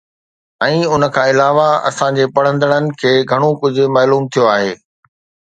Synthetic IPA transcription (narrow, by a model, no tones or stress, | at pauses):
ɛ̃ːʊnə̆kʰãːɪlaːʋaɐ̰sãɲd͡ʑeːpɐɽ̤ə̃nd̪əɽ̃ənɪ̆kʰeːɡʱɐɽ̃okʊd͡ʑʱʊ̆maːluːmt̪ʰijoaːɦeː